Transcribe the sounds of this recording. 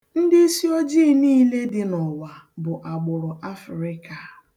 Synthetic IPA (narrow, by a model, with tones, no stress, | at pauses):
n̩˦dɪ˦si˦o˦d͡ʒiː˦niː˦le˦dɪ˦nɔ˨wa˨bʊ˨ʔa˨ɡ͡bʊ˨ɾʊ˨ʔa˦fɾɪ˦ka˨